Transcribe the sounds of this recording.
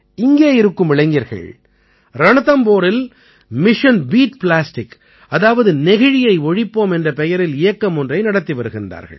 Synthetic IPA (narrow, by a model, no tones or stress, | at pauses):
ɪŋɡeːɪɾɯkːɯmɪɭɐɪŋɡɪɾɣɐ̰ɭ | ɾɐɳɐðɐmpoːɾɪl | mɪʂɐnbiːʈplaːsʈɪk | ɐðaːʋɐðɯnɛɣɐɻɪjɐɪɔɻɪpːoːmɛndrɐpɛjɐɾɪlɪjɐkːɐmɔndrɐɪnɐɽɐt̪ːiʋɐɾɯɣɪndra̰ːɾɣɐ̰ɭ